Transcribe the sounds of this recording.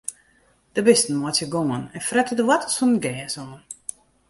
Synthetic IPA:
d̥əbɪstn̩mɔtjəɡoːənɛnfrɛtədəwatəsɔnəɡɛːsɔːn

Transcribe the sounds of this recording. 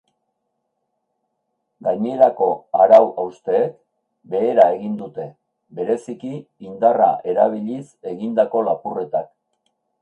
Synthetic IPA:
ɡajɲe̞ɾako̞aɾawawst̪e̞ːk | be̞ːɾae̞ɣind̪ut̪e̞ | βe̞ɾe̞sikiːnd̪araʔe̞ɾaβ̞iʎise̞ɣind̪ako̞lapure̞t̪ak

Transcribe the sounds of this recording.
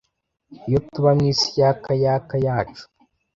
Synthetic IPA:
jotuβamɲisi̥jaːkajaːkajaːt͡ʃu̥

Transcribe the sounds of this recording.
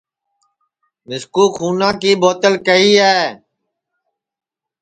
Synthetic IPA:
mɪskuːxuːnãːkiːboːt̪əlkəiːɦɛː

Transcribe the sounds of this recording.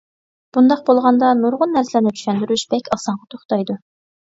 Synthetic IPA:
b̥und̪ɑq̚bolˠʁɑnd̪ɑnuɾʁʊnːæɾsɪlæɾnɪt͡ʃ̪ʰy̥ʃɛnd̪yɾyʃb̥ɛkʲʰɑsɑɴʁɑt̪ʰoχt̪ɑjd̪u

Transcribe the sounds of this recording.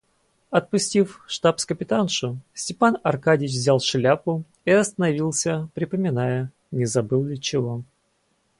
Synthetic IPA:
ɐt̪̚pʊsʲtʲifʂt̪apskəpʲɪt̪anʂʊsʲtʲɪpanɐrkadʲɪt͡ɕvʲzʲalˠʂlʲapʊ | iɐst̪ənɐvʲilˠsʲəpɾʲɪpəmʲɪnajə | nʲɪzɐbɨlˠlʲɪt͡ɕɪvo

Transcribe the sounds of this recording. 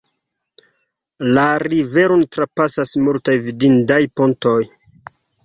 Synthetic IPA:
laɾive̞ɾo̞ntɾapasasmultajvidindajponto̞j

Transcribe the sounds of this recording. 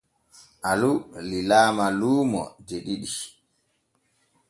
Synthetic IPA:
ʔalulilaːmaluːmɔ̰d͡ʒeɗiɗi

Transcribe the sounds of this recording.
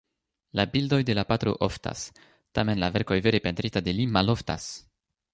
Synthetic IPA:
labildo̞jde̞lapat̪ɾo̞̰ʔofta̰s | tame̞nlave̞ɾko̞jve̞ɾe̞pe̞nt̪ɾitade̞limalo̞fta̰s

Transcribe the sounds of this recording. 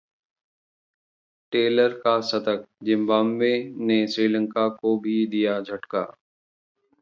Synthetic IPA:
ʈeːləɾkasɐt̪ək̚d͡ʒɪ̃mbaːmʋenesɾiːlə̃ŋkakobʱid̪ijad͡ʒʱɐʈka̰ː

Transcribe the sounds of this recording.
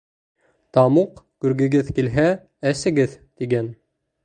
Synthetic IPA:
t̪ɑmuqkʉɾɡɘ̆ɡɘðkilɦæ | æsɘ̆ɡɘðt̪iɡæn

